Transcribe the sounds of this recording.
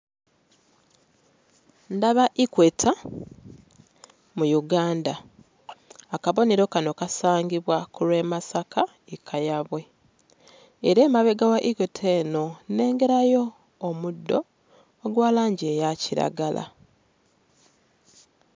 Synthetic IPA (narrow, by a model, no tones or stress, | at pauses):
ndaβaʔikwetʰa | mujuɡaːnda | kaβo̞neɾo̞kano̞kasaːŋɡiβwakulwe̞ːmasaka | ekʰajaβwe̞ | eɾeːmaβe̞ɡawaʔikwetʰeːno̞ne̞ːŋɡe̞ɾajo̞ː | mudːo̞ː | ɡwaːlaːɲɟeːjaciɾa̰ɡa̰la̰